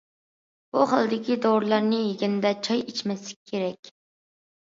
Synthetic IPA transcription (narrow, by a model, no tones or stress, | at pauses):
b̥uχəlˠd̪ɪkʲid̪owɾlˠɑɾnɨjeɡʲɪnd̪ɛt͡ʃʰɑjet͡ʃmɛslɪk̚ʲkʲʰːeɾɛkʲ